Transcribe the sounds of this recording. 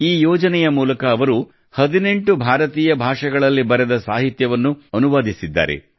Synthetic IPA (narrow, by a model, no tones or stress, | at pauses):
iːjɔːd͡ʒɐnɛjɐmuːlɐkɐːʋɐɾu | hɐd̪ine̞ɳʈubʱaːɾɐt̪iːjɐbʱaːʂɐɡɐɭɐlːibɐɾed̪ɐsaːɦit̪jɐʋɐnːuɐnuʋaːd̪isid̪ːa̰ːɾḛ